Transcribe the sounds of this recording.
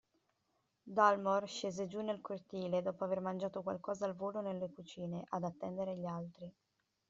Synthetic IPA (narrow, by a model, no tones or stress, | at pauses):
d̪almorʃeːzed͡ʒunːelkort̪iːled̪ɔːpoavermand͡ʒaːt̪okwa̰lkɔːzaːlvoːlonelːekut͡ʃiːneʔad̪at̪ːɛnd̪eɾeʎːalt̪ɾi